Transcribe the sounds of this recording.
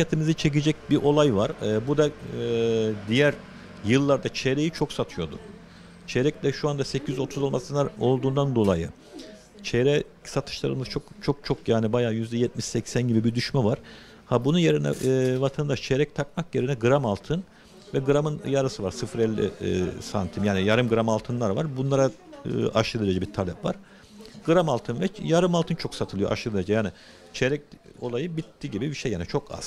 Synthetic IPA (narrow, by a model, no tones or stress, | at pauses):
at̪ʰimizit͡ʃʰe̞cid͡ʒɛc̚biʔo̞lˠajvaɾːbud̪a | d̪ijæɾ | jɯlˠːaɾd̪at͡ʃʰeɾe̞jit͡ʃʰo̞ksat̪ʰɯjo̞d̪ʊ | t͡ʃʰeɾɛclʲɛʃuand̪asɛcʰiyzo̞t̪ʰuzolˠmasɯnao̞lˠd̪uːnd̪and̪o̞lˠajɯ | t͡ʃʰeɾɛ | sat̪ʰɯ̥ʃlˠa̰ɾɯmɯz̥t͡ʃʰokt͡ʃʰo̞k̚t͡ʃʰo̞kjaːnibajaːjyzd̪ɛjɛt̪̚miʃsɛcsænɟibibid̪yʃmɛvaɾ̥ | habununjeɾinɛ̰vat̪ʰand̪aʃt͡ʃʰeɾɛc̚t̪ʰak̚makjeɾinɛɡɯɾamalˠt̪ʰɯn | vɛɡɯɾamɯnjaɾasɯvaɾsɯfɾɛlʲːḭsant̪ʰimjaːnijaɾɯmɡɯɾamalˠt̪ʰɯnlˠaɾvaɾbunlˠaɾa | ɯ̰ʔaʃɯld̪ˠɯlʲed͡ʒɛbiɾt̪ʰalʲɛpva̰ɾ̥ | ɡ̥ɯɾamalˠt̪ʰɯnvɛjaɾɯmalˠt̪ʰɯnt͡ʃʰo̞ksat̪ʰɯlˠɯjo̰ʔa̰ʃɯlˠɯlʲed͡ʒɛjaːnɪ | t͡ʃʰeɾɛc̚o̞̰lˠajɯbit̪ːiːɟibibiʃejaːnit͡ʃʰo̞ka̰z̥